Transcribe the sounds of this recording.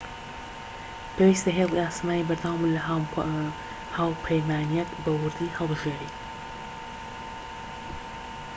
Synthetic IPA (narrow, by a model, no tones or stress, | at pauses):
pʰeːwiːst̪ɐɦeːlˠiaːsmaːnibɨɾd̪awmulɐ | haːwpʰɐjmaːnijɐt̪bɐwɨɾd̪ihɑlˠbɨʒeːɾi